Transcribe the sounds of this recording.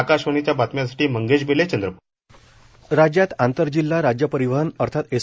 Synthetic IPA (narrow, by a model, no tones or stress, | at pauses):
akaɕʋəɳit͡ɕjabat̪mjas̬ḁʈiːməŋɡed͡ʑbelet͡ɕənd̪ɾəpu | ɾad͡ʑjat̪ãnt̪əɾd͡ʑilːaɾad͡ʑjəpəɾiʋəɦənəɾt̪ʰat̪e